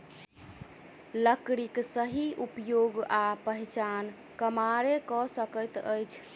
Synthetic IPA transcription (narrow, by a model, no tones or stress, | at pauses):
ləkɽiksəɦiupjoɡapəɦit͡ʃan | kəmaɾekɔsəkəjt̪ə̰jt͡ʃʰ